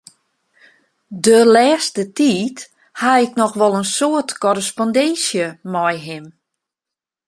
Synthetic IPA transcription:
dølɛːstətiːt | haɪknɔxʋɔlˠənsoətkɔɾəspɔndɛnsjəmɔjɦɪm

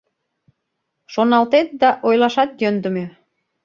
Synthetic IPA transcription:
ʃonɑlt̪et̪̚d̪ɑʔojlɑʃɑt̪̚jønd̪ə̆mø

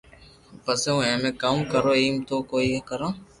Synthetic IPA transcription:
pəseũːẽːmẽːkamkəɾoːiːmt̪oːkoːiːekəɾãː

